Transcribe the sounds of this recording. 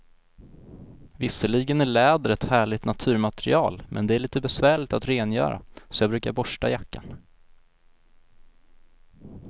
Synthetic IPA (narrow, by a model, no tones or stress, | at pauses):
vɪsəɭiɡənæɭɛːd̪əɾɛt̪hæːɭɪt̪nat̪ʰʉ̟ːɾmat̪ɾɪ̰ɑ̰ːlmʔɛ̰nd̪ɛæɭiːt̪əbɛsvæːɭɪt̪at̪ɾeːnjœ̰ːɾa̰sɔjɑːbɾʉ̟ːkaɾbɔʂʈajakːa̰n